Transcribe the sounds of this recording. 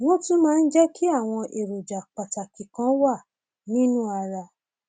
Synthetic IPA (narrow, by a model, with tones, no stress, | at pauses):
w̃ɔ̃˦tũ˦mãː˦˧n̩˦d͡ʒɛ˦kʰi˦a˦˨w̃ɔ̃˧ʔe˨ɾo˨d͡ʒa˨k͡pa˨ta˨ki˨kã˨˦wa˦˨ | nĩ˦nũ˦a˧ɾa˧